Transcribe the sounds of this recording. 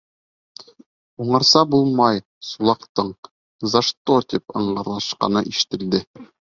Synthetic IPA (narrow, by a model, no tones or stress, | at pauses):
uɴɤ̆ɾsɑbulˠmɑj | sulˠɑqt̪ɤɴ | zɑʃt̪ot̪ipɤ̰̆ɴɢɤ̆ɾlˠɑʃqɑ̰nɤʔiʃɘ̥̆t̪ɘ̆ld̪ɘ